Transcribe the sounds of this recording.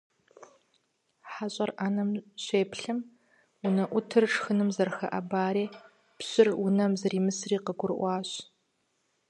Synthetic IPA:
ħaɕʼɐrʔaːnɐmɕeːpɬɨm | ʊnɐʔʷʊtʰɨrʈ͡ʂxɨnɨmzɐrxɐ̰ʔɐbaːɾeː | pɕɪrwʊnɐmzɐriːmɨsriːqəɡʷʊrʔʷɑːɕ

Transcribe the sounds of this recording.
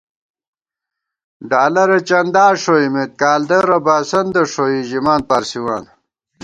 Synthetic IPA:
ɖaːlɐɾet͡ɕɐnd̪aːʂoimet̪̚kaːld̪ɐɾɐbaːsɐnd̪ɐʂoiʑimaːn̚paːɾsiwaːn

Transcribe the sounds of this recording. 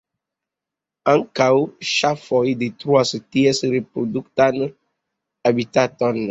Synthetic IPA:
ãŋkauʃafɔidet̪ɾuasətiɛsɾepɾoduk̚tan | abitatɔn

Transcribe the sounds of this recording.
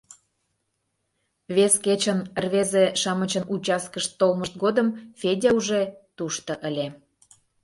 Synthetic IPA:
βesket͡ɕənərβezeʃɑmət͡ɕənut͡ɕɑskəʃt̪ːolməʃt̪̚ɡod̪əmfʲedʲeuʒet̪uʃt̪ə̆ʔəlʲe

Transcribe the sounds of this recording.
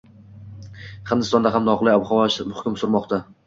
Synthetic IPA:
χɨnd̪ɪst̪ɒnd̪aɦamnɒqlˠɪjabχɒvaʃmʊχkʰʲʊmsʊɾmɒqt̪a

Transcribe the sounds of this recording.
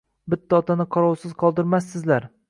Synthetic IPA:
bɪt̪ʰːaɒt̪ʰanɪqʰɒɾɒwsɪz̥qʰɒlˠd̪ɪɾmasːɪzlaɾ

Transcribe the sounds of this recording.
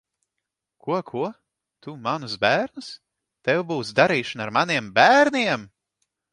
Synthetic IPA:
kuɔkʰuɔ | t̪umanusbæːɾnɨs | t̪ɛwbuːsd̪aɾiːʃanaɾmaniɛmbæːɾnʲiɛm

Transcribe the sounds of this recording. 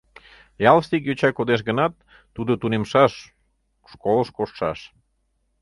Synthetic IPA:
jɑlst̪ik̬jøt͡ɕɑkod̪eʃ̬ɣənɑt̪̚ː | ud̪ot̪unemʃɑʃ | ʃkoləʃkoʃʃɑ̰ʃ

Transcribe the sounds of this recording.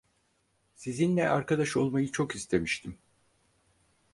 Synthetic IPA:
sizinlʲɛʔaɾkad̪aʃo̞lˠmajɯt͡ʃʰo̞kist̪ʰe̞miʃt̪ʰim

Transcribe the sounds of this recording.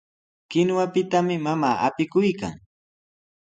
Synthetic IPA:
kɪnwapɪt̪amɪmamaːʔa̰pɪkʊjka̰ŋ

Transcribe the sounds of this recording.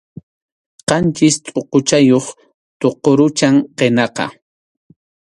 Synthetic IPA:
qɑnt͡ʃɪst̪ʼoqot͡ʃajoχ | t̪oqoɾʊt͡ʃaŋqenɑqɑ̰

